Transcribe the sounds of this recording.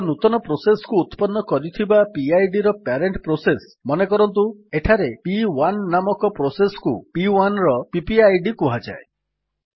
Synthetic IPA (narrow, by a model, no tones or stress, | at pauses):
nut̪ɔnɔpɾosesɔ̥kuːt̪pɔnːɔkɔɾit̪ʰibapiajɖiɾɔpeɾeɳʈpɾoses | mɔnekɔɾɔnt̪̬ueʈʰaɾepiwanːamɔkɔpɾosesɔ̥kupiwanɾɔpipiajɖikuɦad͡ʒa̰e